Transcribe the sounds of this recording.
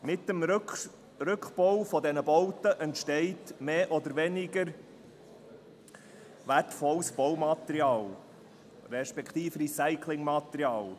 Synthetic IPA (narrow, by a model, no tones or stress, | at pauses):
mɪt̪ːəm | ɾɵkχb̥owfɔdɛnəbowtəʔɛntʃtɛɪtmeːʔɔd̪əɾvɛnɪɡəɾ | vætfɔlsb̥owmɑt̪ɛɾiɑːl | ɾɛʃpɛkʰt̪iːfɾisaɪkʰlɪŋmɑt̪ɾiɑːl